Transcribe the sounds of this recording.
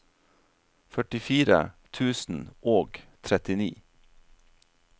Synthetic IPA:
fœʈɪfiːɾə̰t̪ʰʉːsn̩ʔoːɡt̪ʰɾɛt̪ɪnḭː

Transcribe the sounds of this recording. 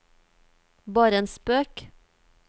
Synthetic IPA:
bɑːɾəeːnspøːk

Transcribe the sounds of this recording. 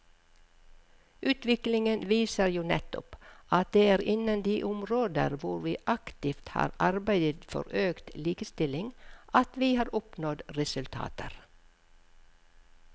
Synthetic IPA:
ʉːt̪ʋɪklɪŋənʋiːsəɾjuːnɛt̪ʊ̰pʔɑt̪̚d̪eːæːɾɪnənd̪iːʔʊmɾoːd̪ə̰ɾʋʊɾʋiːʔɑkt̪ɪft̪hɑ̰ːɾʔɑɾbæɪd̪ət̪fɔ̰ɾøːkt̪liːkəst̪ɪlɪŋʔɑt̪ʋiːhɑːɾɔpnɔd̪ɾɛsʉlt̪ʰɑ̰ːt̪ʰəɾ

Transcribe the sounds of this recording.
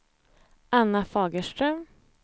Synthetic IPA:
ʔanːafɑːɡəʂʈ̪ɾœm

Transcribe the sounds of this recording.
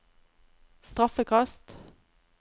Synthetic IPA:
st̪ʁɑfəkʰɑst̪

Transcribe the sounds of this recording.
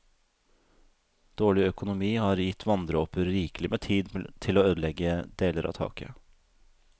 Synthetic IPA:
d̪̥oːɭɪœkʊnʊmiːhɑːɾjɪt̪ʰʋɑnd̪ɾəɔpəɾɾiːklɪmeːt̪ʰiːd̪t̪ʰɪloːøːd̪lɛɡəd̪eːləɾʔɑ̰ːt̪ʰɑ̰ːkə̰

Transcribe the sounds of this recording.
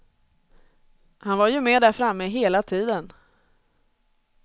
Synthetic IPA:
hanvaɾjɵmeːɖ̪æɾfɾamːəɦeːlat̪ʰiːd̪ən

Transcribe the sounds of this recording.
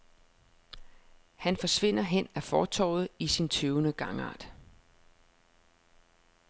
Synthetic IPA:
hænfɒ̽sʋe̝n̰ɐɦen̰æfɒːt͡sʰɒ̰ʊ̰ð̩ˠisint͡sʰøʊnəɡ̥ɑ̈ŋɑ̰̈ːd̥

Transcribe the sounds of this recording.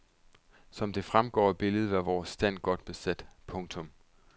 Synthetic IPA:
sɒ̽md̥e̝fʁamɡ̥ɒ̰ːb̥e̝ləð̞̩ˠʋæʋɒːsːd̥æn̰ɡ̥ɒ̽d̥̚b̥e̝sæd̥pʰɔ̽ŋt͡sʰɔ̽m

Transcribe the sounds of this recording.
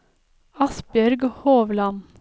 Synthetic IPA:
ɑsbjœɾɡhoːʋlɑn

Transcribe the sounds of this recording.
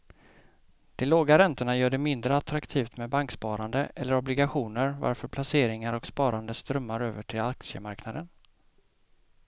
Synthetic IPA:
d̪̥ɛloːɡaɾɛnt̪əɳajœːɖɛmɪnd̪ɾəat̪ɾakt̪ʰiːft̪mɛbaŋkspɑːɾand̪əɛlːəɾɔblɪɡaɧuːnəɾva̰ɾfœɾpʰlaseːɾɪŋaɾɔkspɑːɾand̪əst̪ɾœmːaɾøːvəʈʰɪlak̚sɪə̰maɾknad̪ən

